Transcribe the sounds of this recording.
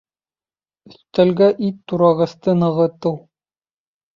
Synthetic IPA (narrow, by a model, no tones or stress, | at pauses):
ɵ̆sθt̪ælɡæʔit̪ːuɾɑʁɤ̆st̪ɤnɤ̆ʁɤ̆t̪ɤw